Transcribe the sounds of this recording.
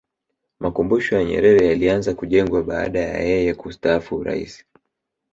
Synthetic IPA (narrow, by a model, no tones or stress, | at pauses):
makumbuʃɔjaɲɛ̰ɾɛɾɛjalianzakuʄɛŋɡwaɓaa̰ɗaja̰jɛjɛkustaafuuɾa̰ḭsi̥